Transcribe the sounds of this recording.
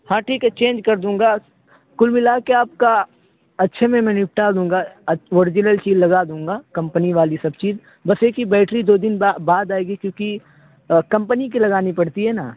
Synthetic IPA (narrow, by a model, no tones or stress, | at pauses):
hãːʈʰiːkɦɛt͡ʃẽːnd͡ʒkɐɾd̪ũːŋɡa | kʊlmɪlaːkeaːp̚ka | ɐtːʃʰemẽmɛ̃nɪp̚ʈad̪ũːŋɡaoːɾɪd͡ʒɪnəlt͡ʃiːzlɐɡad̪ũːŋɡaːkɐ̃mpəniʋaːlisɐb̚t͡ʃiːz | bɐseːkibɛːʈɾid̪oːd̪ɪnbaːd̪aːeːɡikjõːki | kɐ̃mpənik̬ilɐɡaːnipɐɽt̪iɦɛnaː